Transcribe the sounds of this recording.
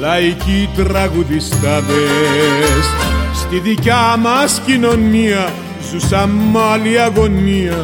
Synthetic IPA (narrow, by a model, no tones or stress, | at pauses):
laikit̪ɾaɣuðist̪avɛ | sst̪iðikamaskinɔnːia | zusamːaliaɡonːia